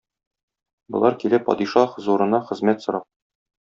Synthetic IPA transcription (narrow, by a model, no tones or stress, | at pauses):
bŏlˠɑɾkilæpɒ̰d̪iʃɑχ̆zuɾɤ̆nɑχɘ̆zmæt̪sŏɾɑp̚